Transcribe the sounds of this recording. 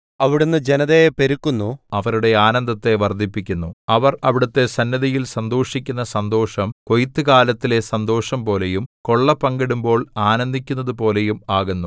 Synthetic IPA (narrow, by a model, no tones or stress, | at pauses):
ɐʋiɽunːɨd͡ʑenɐðepeɾukːunːuɐʋɐɾuɽe̞aːnɐnd̪ʱɐt̪ːe̞ʋɐrd̪ʱipːikʲːunːuɐʋɐrɐʋiɽɐt̪ːe̞sɐnːɐðɐjilsɐnd̪oːʂikʲːunːɐsɐnd̪o̞ːʂɐmko̞jit̪ːɨkaːlɐt̪ːile̞sɐnd̪o̞ːʂɐmpo̞ːle̞jumko̞ɭːɐpːɐŋɡiɽumbo̞ːɭaːnɐnd̪ʱikʲːunːɐðɨpo̞ːle̞jumaːɣunːu